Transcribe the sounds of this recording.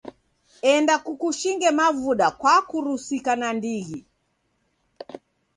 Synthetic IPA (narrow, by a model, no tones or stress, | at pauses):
ɛndakukuʃiŋɡɛmavuɗakwakuɾusikanandiɣi